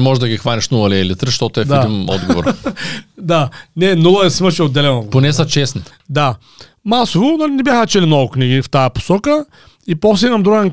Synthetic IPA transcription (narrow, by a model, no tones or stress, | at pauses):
mɔʒɛd̪ɐɡʲixvaniʃnulˠɐliɛlit̪ɾʃt̪ɔt̪oɛfd̪ɛainɔ̰d̪ɡovo̰ɾ | d̪anɛnulˠɐɛsimɐʃɛod̪ːɛlɛnoponɛsɐt͡ʃɛsni | d̪a | masovʊnalinɛbʲjaxət͡ʃɛlinɔɡʊknʲiɡift̪ajɐpo̥sɔkə | ipɔsɛimɐmd̪ɾuɡɛn